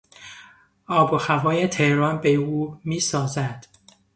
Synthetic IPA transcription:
ɒːbohævɒːjet̪ʰehɾɒnbeuːmiːsɒːzæd̪̥

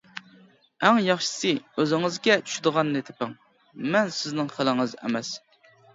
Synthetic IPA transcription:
ɛŋjɑχʃɨ̥sɨøzɪŋɪzɡʲɛt͡ʃʰy̥ʃɪd̪əʁɑnːɨt̪ʰɪ̥pɪŋ | mɛnsɪznɪŋχəlɪŋɨzɛ̰mɛs

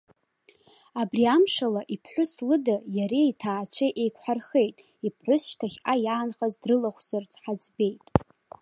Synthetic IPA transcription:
abriamʂalaʔipʰħʷʊslɨdajaɾejtʰaːt͡ʃʷʰeʔejkʷʰħarχe̞jtʼ | ipʰħʷʊsʃtʰaχʲajaːnχazdrɨlaχʷz̥art͡sʰʼħad͡zbe̞jtʼ

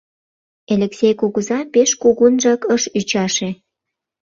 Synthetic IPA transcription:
elʲeksʲejkuɣuzɑpeʃkuɣunʒɑkəʃyt͡ɕɑʃe

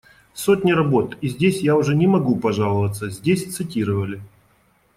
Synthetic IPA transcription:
sotʲnʲɪɾɐbo̞t̪izʲdʲesʲjaʊʐɛnʲɪmɐɡupɐʐalˠəvət̪sːəzʲdʲesʲt̪sɨtʲiɾəvəlʲɪ

